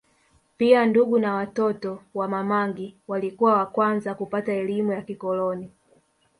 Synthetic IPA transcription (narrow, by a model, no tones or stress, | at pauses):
pianduɡunawatɔtɔwamamaŋɡiwalikuwawakwanzakupataɛlimujakikɔlɔni